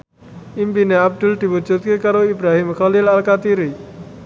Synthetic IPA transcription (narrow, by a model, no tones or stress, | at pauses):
impineab̚d̪ulʈ̪ibut͡ʃot̪̚kekaɾoibɾaɦimkʰalilalkat̪iɾi